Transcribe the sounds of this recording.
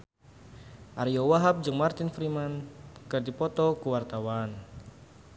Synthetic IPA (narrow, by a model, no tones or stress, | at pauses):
ʔaɾjɔwaɦap̚d͡ʒɨŋmart̪ɪnfɾimankɨrdipɔt̪ɔkuwart̪awan